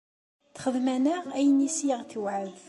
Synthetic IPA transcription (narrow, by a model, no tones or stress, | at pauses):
θχəðmænəʁæjənisjəʁθəwʕəð